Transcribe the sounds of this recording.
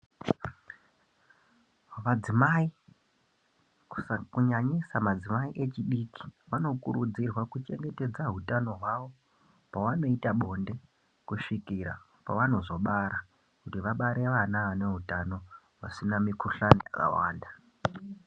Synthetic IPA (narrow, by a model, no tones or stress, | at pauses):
ʋad͡zimai | ku̥kuɲaɲisamad͡zimaiʔe̞t͡ʃiɗiki̥ʋano̞kuɾud͡zirwakut͡ʃe̞ŋɡe̞te̞d͡zaɦutano̞ɦwaʋo̞ | paʋano̞itaɓo̞nde̞ | kuʃikiɾa̰ | pa̰ʋano̞zo̞ɓaɾa | kutiʋaɓaɾʔe̞ʋanaʋane̞ɦutano̞ | ʋa̰sinamikuɬanijaka̰wa̰ːnda